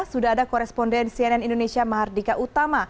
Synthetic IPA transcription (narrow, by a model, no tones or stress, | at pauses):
sudaɦadakɔɾɛspɔndɛnsiɛnɛnindonesiamaɦardikaʔut̪ama